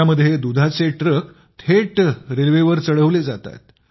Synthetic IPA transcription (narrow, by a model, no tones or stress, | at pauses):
aməd̪ʱːjed̪ud̪ʱat͡seʈɾək | t̪ʰeʈɾelʋeʋəɾt͡səɽəʋled͡zat̪a̰t̪̚